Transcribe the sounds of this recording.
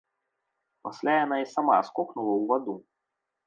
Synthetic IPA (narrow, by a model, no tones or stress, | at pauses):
pɐsʲlʲajɐnaisɐma̰skɔknʊlˠɐuvɐd̪u